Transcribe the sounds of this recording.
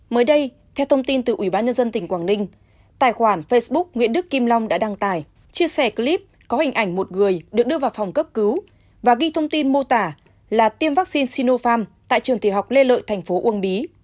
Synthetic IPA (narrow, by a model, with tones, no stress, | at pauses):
məː˨˦jɗə˧j | t̪ʰɛ˧wt̪ʰə˧wŋ͡mt̪i˧nt̪ɨ˨˩ʔi˧˩ɓaː˧nɲə˧nzə˧nt̪ï˨˩ŋ̟kwaː˧˩nï˧ŋ̟ | t̪aː˨˩jxwaː˧˩nfe˧sɓʊ˦˥k̚ŋḭ˧˥ənɗɨ˦˥kːi˧mla˧wŋ͡mɗa̰ː˧˥ɗa˧ŋt̪aː˧˩j | t͡ɕi˧əsɛ˧˩kli˦˥p̚kɔ˨˦hï˨˩ŋ̟ʔa˧˩ŋ̟mo˨˩t̚ŋɨ˨˩əjɗɨ˨˩ək̚ɗɨ˧əvaː˨˩wfa˨˩wŋ͡mkə˦˥p̚kɨ˨˦w | vaː˨˩ɣi˧t̪ʰə˧wŋ͡mt̪i˧nmo˧t̪aː˧˩ | laː˨˩t̪i˧əmva˦˥k̚si˧nsi˧no˧faː˧mt̪a̰ː˧˨jt͡ɕɨ˨˩əŋt̪ʰi˧˩ɦa˨˩wk͡p̚le˧lə̰ː˧˨jt̪ʰjŋ̟fo˨˦ʔu˧˩ənɓi˨˦